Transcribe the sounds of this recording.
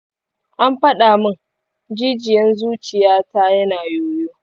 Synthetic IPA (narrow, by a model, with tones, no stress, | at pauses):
ʔa˦mɸɐ˦ɗaː˨mʊ˦ŋ | d͡ʒiː˦d͡ʒɪ˨jɐ˦nzuː˦t͡ʃɪ˨jaː˦taː˦jɐ˦naː˨joː˦joː˦